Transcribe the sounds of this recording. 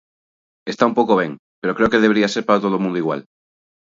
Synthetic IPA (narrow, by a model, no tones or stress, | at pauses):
est̪aumpowkoβ̞eŋ | peɾokɾeokeðeβeɾiaseɾpaɾat̪oð̞omũnd̪oiɣwa̰l